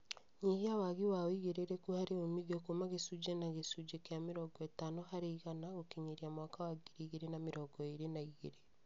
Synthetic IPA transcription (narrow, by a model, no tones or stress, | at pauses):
ɲiɡiawaɣiwawiɣeɾeɾekuhaɾeomiɣokomaɣesud͡ʒenaɣesud͡ʒekeameɾɔɡɔetanohaɾeiɣanaɣokiɲiɾiamwaːkawaɡiɾiɣeɾenameɾɔɡɔeɾenaiɣeɾe